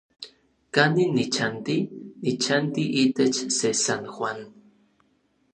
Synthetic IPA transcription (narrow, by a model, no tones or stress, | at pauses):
kaninit͡ʃant̪init͡ʃant̪iʔit̪et͡ʃsesanxwan